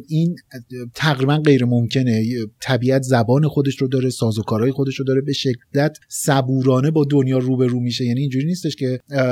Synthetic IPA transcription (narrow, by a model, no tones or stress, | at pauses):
ʔiːnt̪ʰæɣɾiːbænɢe̞jɾe̞momcʰe̞net̪ʰæbiːæt̪ʰzæbɒːne̞xo̞d̪e̞ʃɾod̪ɒːɾesɒːzokʰɒːɾɒːjexo̞d̪e̞ʃɾod̪ɒːɾe̞be̞ʃe̞kd̪̥æt̪ʰsæbuːɾɒːne̞bɒːd̪onjɒːruːbe̞ɾuːmiʃ̬e̞jæːniːnd͡ʒuːɾiːniːst̪e̞ʃcʰe̞